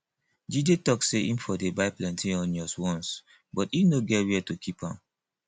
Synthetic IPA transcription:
d͡ʒidetɔkseʔĩmfɔdebaɪplɛ̃ntʰĩɔ̃nd͡ʒɔswɔ̃ns | bɔtinoɡɛwɛtukʰipãm

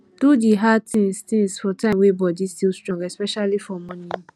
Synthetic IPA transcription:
d̥udiɦatʰĩŋstĩŋsfɔtãɪ̃mwebɔdistilstɹɔ̃ŋɡɛspɛʃalifɔmɔ̃nĩ

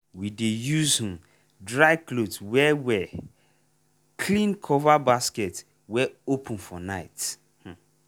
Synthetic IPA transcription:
widejuzhũm | dɹaɪklodswɛwɛ | kʰlĩnkʰɔvabaskɛt | wɛopə̃nfɔnaɪt | h̩

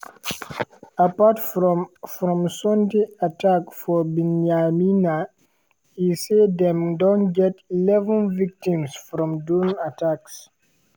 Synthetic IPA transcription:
apatfɹɔmfɾɔ̃msɔ̃ntiatakfɔbĩnamina | hised̪ɛ̃mdɔ̃nɡɛtilɛvə̃nvik̚tĩmsfɾɔ̃mdunataks

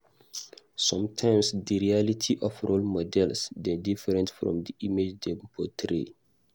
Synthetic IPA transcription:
sɔ̃mtʰãɪ̃msdiɹialitʰiʔɔfɹolmɔdɛlsdɛdifɛɾɛ̃ntfɹɔ̰̃mdiʔimed͡ʒdɛpʰɔtʰɾḛ

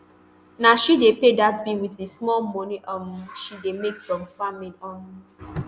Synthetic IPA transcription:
naʃidepedatbiwitesmɔlmoniʔɔmʃidemekfɹɔmfamĩnɔn

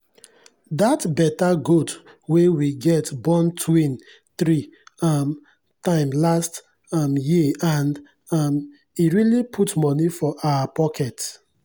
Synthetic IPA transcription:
datbɛtaɡot | wewiɡɛtbɔ̃ntʰwĩn | θɹim | tãɪ̃mlast | mjiãnd | m | iɹilipʰutmɔnifɔʔaapɔkʰɛt

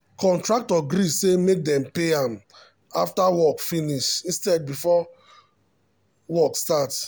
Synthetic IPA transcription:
kʰɔ̃ntɹak̚tɔɡɾisemek̚dɛ̃mpeãm | aftawɔkfĩniʃĩnstɛd̚bifɔ | wɔkstat

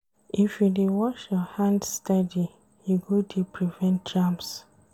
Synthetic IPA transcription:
ifjudewɔʃjɔhãndstadi | juɡodepʰɹivɛ̃nt̚d͡ʒams

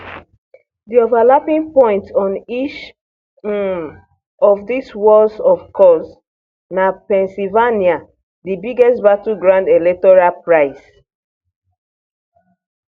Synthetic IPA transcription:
diovalapĩŋpɔ̃ɪ̃ntɔ̃nit͡ʃ | ɔfdiswɔlsɔfkʰɔs | napɛ̃nsilvania | dibiɡɛstbatuɡɹãndelɛtɔɹalpɹaɪs

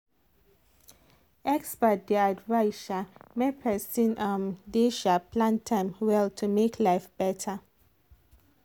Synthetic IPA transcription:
ɛkspət̚dɛadvaɪʃamepʰɛsĩnʔãmdeʃapʰlãntʰãmwɛltʰumekʰlaɪfb̥ɛtʰə

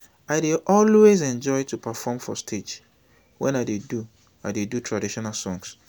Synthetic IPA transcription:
aɪdeʔɔlwezɛ̃nd͡ʒɔɪtʰupʰafɔmfɔstʰet͡ʃ | wɛ̃naɪdedu | adedutʰɹadiʃɔnalsɔ̃ŋs

